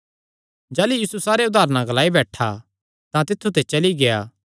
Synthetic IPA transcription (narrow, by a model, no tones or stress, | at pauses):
d͡ʒɛːlujiːsusaːɾeʊd̪aːɾnãɡəlaːibɛːʈʰa̰ | t̪ãt̪ɪt̪ʰːut̪et͡ʃɐliɡejaː